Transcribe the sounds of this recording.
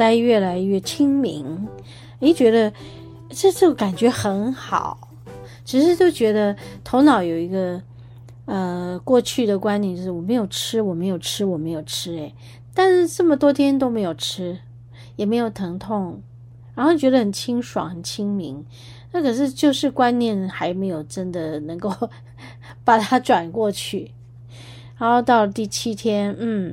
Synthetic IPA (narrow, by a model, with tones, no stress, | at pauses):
ta˥ɪɥɛ˥˩la˧˥ɪɥɛ˥˩t͡ɕʰi˥ŋmḭ˧˥ŋ | e˧˥t͡ɕɥɛ˧˥d̪ə˧ | ʈ͡ʂɤ˥˧t͡ɕo˥˩ka˨˩nt͡ɕɥɛ˧˥xə˧˥nxɑ̰˨˩˦ʊ | ʈ͡ʂʰɻ̩˧˥ʂ̬ɻ̩˥˧t͡ɕjo˥˩ʊt͡ɕɥɛ˧˥d̪ə˧t̪ʰo˧˥ʊnɑ˨˩˥ʊjo˨˩ʊi˧˥ɡə˧ | ə˧kwɔ˥˧t͡ɕʰy˥˩d̪ə˩kwa˥njnt͡ɕo˥˧ʊʂɻ̩˥˩wɔ˨˩me˧˥ɪjo˨˩ʊʈ͡ʂʰɻ̩˥wɔ˨˩me˧˥ɪjo˨˩ʊʈ͡ʂʰɻ̩˥wɔ˨˩me˧˥ɪjo˨˩ʊʈ͡ʂʰɻ̩˥e˨˧˩ɪ | t̪a˥˧n̩˥˧ʈ͡ʂə˥˩mə˩t̪wɔ˥t̪ʰjɛ˥nt̪o˥ʊme˧˥ɪjo˨˩ʊʈ͡ʂʰɻ̩˥ | jɛ˨˩me˧˥ɪjo˨˩ʊt̪ʰɤ˧˥ŋt̪ʰʊ˥˩ŋ | ɻa˧˥nxo˥˩t͡ɕɥɛ˧˥d̪ə˧xə˨˩nt͡ɕʰi˥ŋʂwɑ̰˨˩˦ŋxə˨˩nt͡ɕʰi˥ŋmi˧˥ŋ | na˥˩kʰɤ˨˩ʂɻ̩˥˧t͡ɕjo˥˧ʊʂɻ̩˥˧kwa˥nnjɛ˥˩nxa˧˥ɪme˧˥ɪjo˨˩ʊʈ͡ʂə˥nd̪ə˨nɤ˧˥ŋko˥˩ʊ | pa˨˩t̪ʰa˥ʈ͡ʂwa˨˩nkwɔ˥˧t͡ɕʰy˥˩ | ɻa˧˥nxo˥˧ʊt̪ɑ˥˩ʊlə˩t̪i˥˩t͡ɕʰi˥t̪ʰjɛ˥nn̩˥˩